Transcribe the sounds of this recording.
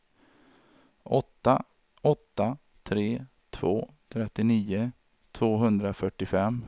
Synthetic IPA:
ʔɔt̪ːa | ɔt̪ːa | t̪ʰɾeː | t̪ʰvoː | t̪ʰɾɛt̪ːɪniːʊ | t̪ʰvoːɦɵnd̪ɾafœʈːɪfɛmː

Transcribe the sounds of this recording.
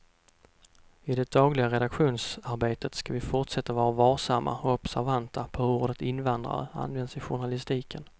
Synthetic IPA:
ɪd̪ɛd̪̥ɑːɡlɪɡaɾɛd̪akɧuːnsaɾbeːt̪ət̪skavɪfʊʈʂɛt̪ːavɑːɾavɑːsamːʔa̰ɔɔpsæɾvant̪ʰapʰɔoːɖət̪ɪnvand̪ɾa̰ə̰a̰nvɛnd̪sɪɧʊɳalɪst̪iːkʰən

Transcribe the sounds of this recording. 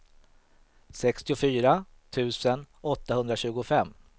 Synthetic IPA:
sɛkst̪ɪʊfyːɾa | t̪ʰʉ̟ːsən | ɔt̪ːahɵnd̪ɾaɕʉ̟ːɡʊfɛmː

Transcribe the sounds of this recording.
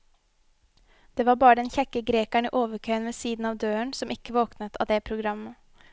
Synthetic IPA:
d̪̥eːʋɑːɾbɑːɾəd̪ɛnçɛkːəɡɾeːkæɳḭːʔoːʋəkʰœʏənʋeːsiːd̪n̩ɑːʋd̪øːəɳsɔmʔɪkːəʋoːknət̪ʰɑ̰ːd̪ɛːpʰɾʊɡɾɑmːə

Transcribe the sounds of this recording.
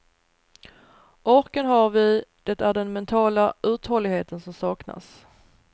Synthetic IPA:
ʔɔɾkənɦaɾvɪd̪̥ɛt̪æɖɛnmɛnt̪ʰɑːlaʔʉ̟ːt̪hɔlːɪɡheːt̪ənsɔmsɑːkna̰s

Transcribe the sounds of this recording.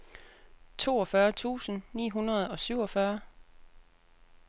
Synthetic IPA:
t͡sʰo̝ːɒ̽fɶːɐt͡sʰṵːsən̩nḭːɦunɐð̞ˠɒ̽syʊ̰ɒ̽fɶɐ

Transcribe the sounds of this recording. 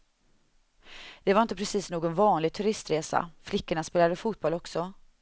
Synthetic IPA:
d̪̥ɛvaɾɪnt̪əpʰɾɛsiːsnoːɡɔnvɑːnlɪɡ̚t̪ʰɵɾɪst̪ɾeːsa̰flɪkːəɳaspeːlad̪əfuːt̪̚bɔlɔksɔ

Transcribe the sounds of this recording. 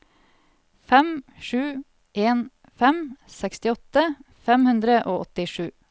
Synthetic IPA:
fɛmʃʉː | ʔeːn | fɛmsɛkst̪ɪɔt̪ə | fɛmhʉnd̪ɾəʔoːɔt̪ɪʃʉː

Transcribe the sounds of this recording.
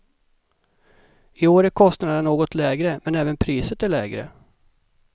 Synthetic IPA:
ɪoːɾækʰɔst̪nad̪ənoːɡɔt̪ʰlɛːɡɾəmɛnɛːvənpʰɾiːsət̪æɭɛːɡɾə̰

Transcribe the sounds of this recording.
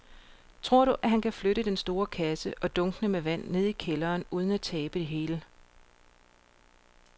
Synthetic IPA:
t͡sʰʁo̝ɐ̰ɾ̥uʔæɦænkʰæfløɾəd̥ensd̥o̝ːɐkʰæsəʔɒ̽d̥ɔ̽ŋɡ̥nəmeʋæn̰ːe̝ð̞̰ˠikʰelɐːnuːð̞ˠən̩æt͡sʰɛːb̥əd̥e̝ɦe̝ːlə

